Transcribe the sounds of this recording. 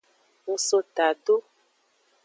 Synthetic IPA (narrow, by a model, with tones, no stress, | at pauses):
ŋ̩˨so˧ta˨to˦